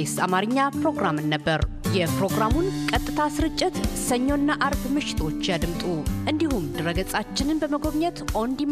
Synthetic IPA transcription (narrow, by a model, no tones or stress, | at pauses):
esamaɾɨɲːapɾo̞ɡɾamɨnːəbːəɾ | jɛpɾo̞ɡɾamunkʼət̪ʼːɨt̪ʰasɨɾɨt͡ʃʼːɪt̪səɲːo̞nːaʔaɾbmɨʃɪ̥t̪ʰo̞t͡ʃːjad̪ɨmt̪ʼuʔɨnd̪ihumd̪ɨɾəɡəsʼat͡ʃːɪnɨnbəməɡo̞βɲət̪ʔo̞nd̪i